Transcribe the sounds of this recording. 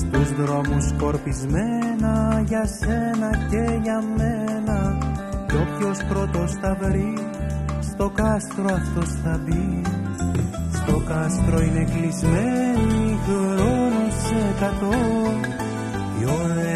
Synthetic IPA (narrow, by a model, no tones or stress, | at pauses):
st̪uzðɾo̞musko̞ɾpizme̞nɐʝɐse̞nɐce̞ʝɐme̞nɐtopço̞spɾo̞t̪o̞sθɐvɾi | st̪o̞kɐst̪ɾo̞ɐft̪o̞sθɐbi | st̪o̞kɐst̪ɾo̞ine̞klizmeniiɣɾonusekɐt̪o̞ | ḭoɾe